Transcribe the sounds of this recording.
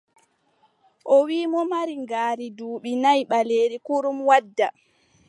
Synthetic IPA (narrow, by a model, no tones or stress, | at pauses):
ʔɔwiːmɔmaɾiŋɡaːɾiduːɓinajɓaleːɾikuɾumwadːa